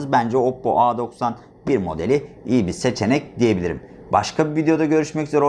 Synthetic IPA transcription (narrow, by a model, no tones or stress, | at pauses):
ɯzbænd͡ʒɛopːo̰ʔaːd̪o̞ksan | biɾmo̞d̪e̞lʲiijibise̞t͡ʃʰe̞nɛc̚d̪ije̞bilʲiɾim | baʃkʰabivid̪ejo̞d̪aɟø̞ɾyʃmɛczoɾo